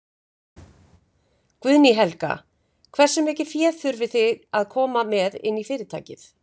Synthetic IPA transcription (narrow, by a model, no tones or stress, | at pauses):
kvʏðniɦɛlka̰ | kʰvɛr̥sʏmɛːcɪ̥fjɛ̥ːθʏɾvɪθɪɣaðkʰɔːmamɛðɪ̰nːifɪːɾɪðt̪ʰa̰ːcɪθ